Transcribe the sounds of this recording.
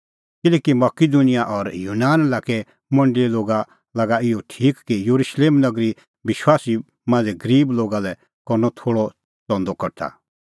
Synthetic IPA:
kɪlɛːkimɐkid̪unɪjaʔɔɾjuːnaːnlaːkɛ | mɐ̃ɳɖɪiloːɡa | lɐɡaɪjɔʈʰiːkːijoɾuʃleːmnɐɡɾi | ʋɪʃwaːsi | mãːnd͡zɛɡɐɾiːbloːɡalɛ | kɔɾnɔt̪ʰoːɽɔ | t͡sɔ̃nd̪ɔkɐɾt̪ʰa̰

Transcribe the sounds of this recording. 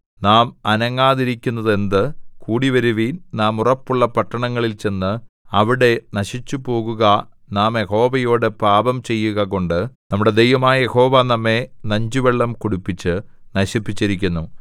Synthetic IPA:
naːmɐnɐŋːaːðiɾikʲːunːɐðe̞nd̪ɨkuːɽiʋɐɾuʋiːnnaːmurɐpːuɭːɐpɐʈːɐɳɐŋːɐɭilt͡ɕe̞nːɨ | ɐʋiɽe̞nɐɕit͡ɕːupo̞ːɣuɣɐ | naːmjeho̞ːbɐjo̞ːɽɨpaːbɐmt͡ɕe̞jːuɣɐko̞ɳɖɨnɐmːuɽe̞d̪e̞jʋɐmaːjɐje̞ho̞ːʋaːnɐmːe̞nɐɲd͡ʑuʋeɭːɐmkoɽupːit͡ɕːɨ | nɐɕipːit͡ɕːiɾik̬ʲːunːu

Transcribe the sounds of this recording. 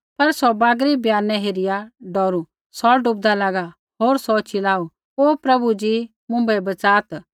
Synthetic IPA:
pɐɾsɔbaːɡɾibjaːnɛ̃ɦeːɾɪjaɖɔːɾu | sɔɖʊp̚d̪alaːɡa | ɦoːɾsɔt͡ʃʰɪlaːu | oːpɾɐbud͡ʒi | mʊ̃mbɛbɐt͡saːt̪

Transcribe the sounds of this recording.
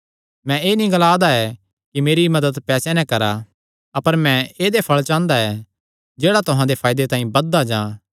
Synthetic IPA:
mɛ̃eːnĩɡɐlaːd̪aɛ | kimeːɾimɐd̪əd̪pɛːsɛnɛ̃kɐɾa | ɐpəɾmɛ̃eːd̪epʰɐɭt͡ʃãːnd̪aɛ | d͡ʒeːɽat̪ʊɦãd̪epʰaːɪd̪et̪ãːĩbɐd̪ːad͡ʒãː

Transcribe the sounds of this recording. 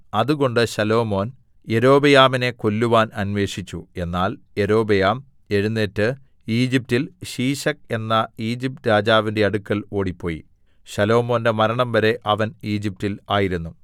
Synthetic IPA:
ɐðuɣo̞ɳɖɨɕɐlo̞ːmo̞ːn | e̞ɾo̞ːbɐjaːmine̞ko̞lːuʋaːnɐnʋe̞ːʂit͡ɕːue̞nːaːl | e̞ɾo̞ːbɐjaːm | e̞ɻunːeːtːɨ | iːd͡ʑip̚tilɕiːɕɐk̚e̞nːɐiːd͡ʑip̚tɾaːd͡ʑaːʋinde̞ɐɽukːɐɭo̞ːɽipːo̞ːjḭ | ɕɐlo̞ːmo̞ːnde̞mɐɾɐɳɐmʋɐɾe̞ʔɐʋɐniːd͡ʑip̚tilaːjiɾunːu

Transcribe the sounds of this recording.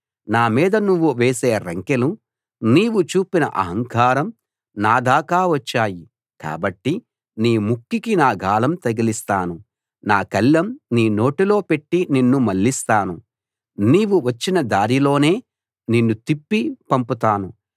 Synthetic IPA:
naːmiːd̪ɐnuʋːuʋeːse̞ːɾɐŋkelu | niːʋut͡ʃuːpinɐ̰ʔɐ̰ɦɐŋkaːɾɐm | naːd̪ʱaːkaːʋɐt͡ʃːaːji | ka̰ːbɐʈːi | niːmukːikinaːɡʱaːlɐmt̪ɐɡilist̪aːnu | naːkɐlːɐmniːno̞ːʈilo̞ːpe̞ʈːininːumɐɭːist̪aːnu | niːʋuʋɐt͡ʃːinɐd̪aːɾilo̞ːne̞ː | ninːut̪ipːipɐmput̪aːnu

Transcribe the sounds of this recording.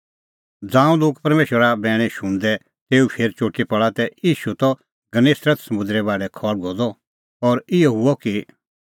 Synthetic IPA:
d͡zãːũloːkpɐɾmeːʃəɾabɛːɽ̃ɛ̃ʃʊ̃ɽ̃d̪ɛ | t̪eːupʰeːɾt͡ʃoːʈipɐɭat̪ɛiːʃut̪ɔ | ɡɐneːsɾət̪sɐmʊ̃nd̪ɾɛbaːɽɛkʰɔːlɡʱoːd̪ɔ | ɔːɾɪjɔɦʊɔki

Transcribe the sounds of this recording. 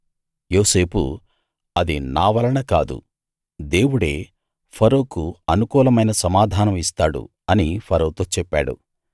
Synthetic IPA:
jo̞ːse̞ːpṵ | ɐd̪inaːʋɐlɐɳɐkaːd̪ṵ | d̪e̞ːwuɽe̞ː | pʰɐɾoːkuɐnukuːlɐmɐjnɐsɐmaːd̪ʱaːnɐmist̪aːɽṵ | ɐnipʰɐɾɐwut̪o̞ːt͡ʃɛpːa̰ːɽṵ

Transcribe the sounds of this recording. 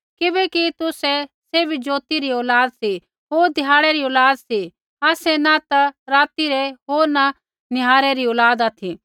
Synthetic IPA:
kɪbɛkit̪ʊsɛseːbʱid͡ʒoːt̪iɾiɔːlaːd̪si | ɦoːɾd̪ʱɪjaːɽɛɾiɔːlaːd̪si | aːsɛnɐt̪ɐɾaːt̪iɾeɦoːɾnɐ | nɪɦaːɾɛɾiɔːlaːd̪at̪ʰi

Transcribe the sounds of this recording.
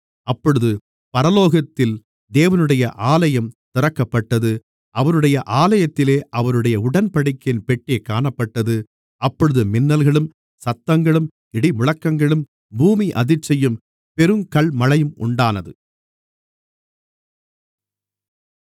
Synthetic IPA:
ɐpːɔɻɯðɯ | pɐɾɐloːɣɐt̪ːɪl | d̪eːʋɐnɯɽɐjɐʔaːlɐjɐmt̪ɪɾɐkːɐpːɐʈːɐðɯ | ʔɐʋɐɾɯɽɐjɐʔaːlɐjɐt̪ːɪleːʔɐʋɐɾɯɽɐjɐʊɽɐnpɐɽɪkːɪnpɛʈːeːkaːɳɐpːɐʈːɐðɯ | ʔɐpːɔɻɯðɯmɪnːɐlɣɐɭɯm | sɐt̪ːɐŋɡɐɭɯm | ɪɽɪmʊɻɐkːɐŋɡɐɭɯm | buːmiʔɐðɪt͡ʃːɐjɯm | pɛɾɯmkɐɭmɐlɐjɯmʊ̰ɳɖaːnɐðɯ

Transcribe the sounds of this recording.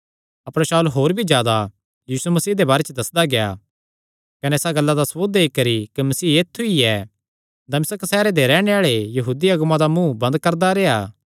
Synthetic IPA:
ɐpɾeʃaːulɦoːɾbʱid͡ʒjaːd̪a | jiːsumɐsiːd̪ebaːɾet͡ʃd̪ɐsd̪aɡeja̰ | kɐnɛ̃esaɡɐlːad̪ɐsʋoːd̪eːikɐɾikimɐsiːeːt̪ʰːuiɛ | d̪ɐmɪsəksɛːɾed̪eɾɛːɽ̃eaːɭejɐɦuːd̪iɐɡmãd̪amũbɐ̃nd̪kɐɾd̪aɾeːaː

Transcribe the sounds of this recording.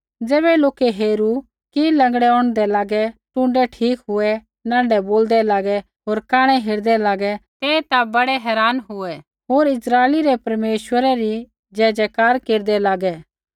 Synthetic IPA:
d͡zɛːβɛloːkeɦeːɾu | kilɐ̃ŋɡɽɛɔ̃ːɽ̃d̪ɛlaːɡɛʈʊ̃ɳɖɛʈʰiːkɦʊɛ | nãːɳɖɛboːld̪ɛlaːɡɛ | ɦoːɾkaːɽ̃ɛɦeːɾd̪ɛlaːɡɛt̪eːt̪abɐɽɛɦɛːɾaːnɦʊɛ | ɦoːɾɪsɾaːeliɾɛpɐɾmeːʃwəɾɛɾi | d͡ʒɛːd͡ʒɛkaːɾkeːɾd̪ɛlaːɡɛ

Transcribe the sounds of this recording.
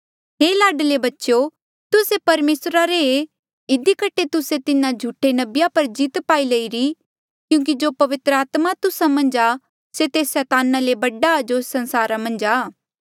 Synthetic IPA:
ɦeːlaːɖlebɐtːʃo | t̪ʊsepɐɾmeːsɾaɾee | ɪd̪ikɐʈʰːet̪ʊset̪ɪnãd͡ʒʱuʈʰːenɐbjapɐɾd͡ʒiːt̪paːileiɾi | kjũːk̬id͡ʒoːpɐʋɪt̪ɾəaːt̪mat̪ʊsamɐ̃nd͡ʒa | set̪eːsɛːt̪aːnalebɐɖad͡ʒosɐ̃nsaːɾamɐ̃nd͡ʒaː

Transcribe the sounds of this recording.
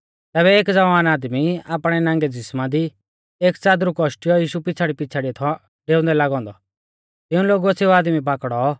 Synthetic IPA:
t̪ɛːbɛeːkd͡zɐʋaːnaːd̪miaːpɽ̃ɛnãːŋɡɛd͡zɪsmad̪i | eːkt͡saːd̪ɾukɔʃʈijɔjiːʃupɪt͡sʰaɽipɪt͡sʰaɽiɐt̪ʰɔ | ɖeːʊ̃nd̪ɛlaːɡɔ̃ːnd̪ɔ | t̪ɪ̃ũloːɡuɐseuaːd̪mip̬aːkɽɔ

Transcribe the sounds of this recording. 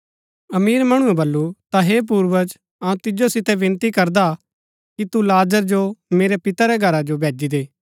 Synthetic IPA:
ɐmiːɾmɐɽ̃ũɛ̃bɐlːut̪aɦeːp̬uːɾʋəd͡ʒ | ɐũt̪ɪd͡ʒosɪt̪ɛʋɪ̃nt̪ikɐɾd̪a | kit̪ulaːd͡ʒəɾd͡ʒomeːɾɛpɪt̪aɾɛɡʱɐɾad͡ʒobʱeːd͡ʒid̪eː

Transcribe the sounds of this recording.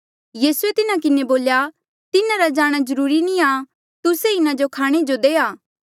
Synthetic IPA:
jiːsuet̪ɪnãkɪneboːlja | t̪ɪnãɾad͡ʒaːɽ̃azɐɾuːɾinĩa | t̪ʊseɪnãd͡ʒokʰaːɽ̃ed͡ʒod̪eːaː

